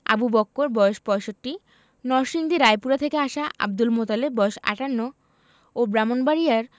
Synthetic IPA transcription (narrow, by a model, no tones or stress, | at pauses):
a̰bubɔkːoɾbɔjoʃpɔeʃoʈːi | nɔɾʃiŋd̪iɾajpuɾat̪ʰekeaʃaʔa̰b̚d̪ulmot̪aleb̚bɔoʃa̰ʈanːo | obɾamonbaɾijaɾ